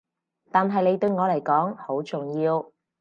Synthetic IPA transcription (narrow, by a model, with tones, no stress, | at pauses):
t̪aː˨nɦɐ˨jne˨˧jt̪ɵ˧ɥŋɔː˨˧lɐ˨˩jkɔː˨˥ŋho˨˥wt͡sʊ˨ŋjiː˧w